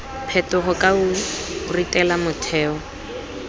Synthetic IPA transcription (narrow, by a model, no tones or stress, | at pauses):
pʰɛtʼʊχɔkʼauritʼɛlamʊtʰɛːɔ